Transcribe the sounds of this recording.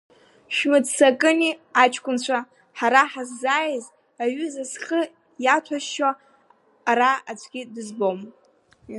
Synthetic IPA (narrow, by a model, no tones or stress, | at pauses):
ʃᶣmɨd͡zsakʼɨniat͡ʃʰʼkʷʼʊnt͡ɕʷʰa | ħaɾaħazːaːjz | aɥʏzasχə | jatʷʰaʃʃaː | ɾaat͡ɕʷʰʼɡʲɪdɨzbom